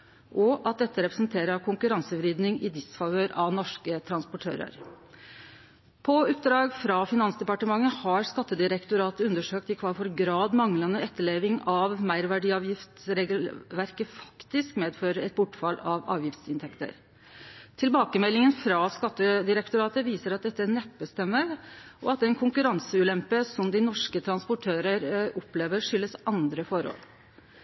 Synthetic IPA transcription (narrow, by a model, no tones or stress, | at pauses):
ʔɔʔɑt̪̚d̪ɛt̪ːəɾɛpɾəsnt̪ʰeːɾəɾkʰʊŋkʉɾɑnsəʋɾiːd̪nɪŋɪd̪ɪsfɑʋøːɾɑʋnɔʂkət̪ʰɾɑnspɔʈʰø̰ːɾə̰ɾ | pʰɔʉp̚ːd̪ɾɑːɡfɾɑfɪnɑnsd̪ɛpɑʈəmɑŋːəhɑɾskɑt̪ːəd̪ɪɾɛkt̪ʊɾɑːt̪əʉnd̪əʂøːk̚t̪ɪkʰʋɑːlfɔɾɡɾɑːd̪mɑŋlənəɛt̪ʰːəɭeːʋɪŋɑʋmæɪɾʋæɖiːɑːʋjɪft̪sɾɛɡ̪ʋæɾkəfɑ̥kt̪ɪskmeːd̪føːɾəɛt̪̚bʊʈːfɑlɑʋɑ̰ːʋjɪft̪sɪnt̪ʰɛkt̪ə̰ɾ | t̪ʰɪlbɑːkəmɛlːɪŋənfɾɑskɑt̪ːəd̪ɪɾɛkt̪ʊɾɑːt̪əʋiːsəɾɑt̪̚d̪ɛt̪ːəænɛpːəst̪ɛmːəɾʔɔɑt̪d̪ɛɛnkʰʊŋkʉɾɑnsəʉːlɛmpəsɔmd̪ɪnɔʂkət̪ʰɾɑnspʊʈʰøːɾəɾɔpleːʋəɾʂʏlːəsɑnd̪ɾəfɔɾo̰ːl